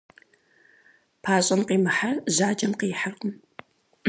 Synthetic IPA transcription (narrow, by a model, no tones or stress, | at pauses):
pʰaːɕʼɐmqiːmɨħaʑaːd͡ʒʼɐmqiːħarqəm